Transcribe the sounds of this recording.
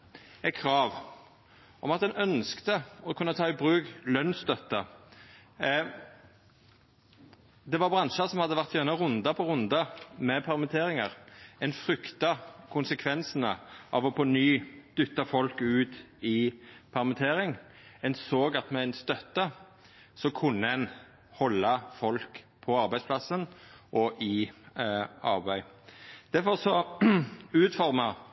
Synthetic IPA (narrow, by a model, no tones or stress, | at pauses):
ɛkʰʁɑːʋ | ʔɔmɑt̪d̪ɛnœnskt̪əɔkʰʉnːət̪ʰɑːɪbʁʉːklœnsst̪œt̪ːə | d̪ɛʋɑʁbʁɑnʃəsɔmhɑd̪ːəʋæʁt̪jɛnəʁʊnd̪ɑpʰɔʁʊnd̪ɑmɛpʰɛʁmɛt̪ʰeːʁɪŋɑʁɛnfʁʏkt̪ɑkʰʊnsəkʰʋɛnsnə̰ʔɑʋɔponyːd̪̥ʏt̪ːɑfɔlkʉːt̪ɪpʰæʁmət̪ʰeːɾɪŋ | ɛnsoːɡɑt̪mɛæɪnst̪œt̪ːə | sɔkʰʉnːəɛn | hɔlːɑfɔlk | pʰɔɑʁbæɪspʰlɑsənʔɔʔɪ | ɑʁbæɪd̪̥æɾfɔʁsɔ | ʉːt̪fɔʁmɑ